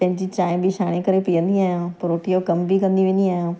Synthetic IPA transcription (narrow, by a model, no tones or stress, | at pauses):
pɛ̃ːɲd͡ʒiːt͡ʃaːẽbʱiʃaːɽ̃ẽkəɾepijə̃nd̪iaːjãːpəɾoːʈijõːkəmbʱikənd̪iʋẽnd̪iaːjãː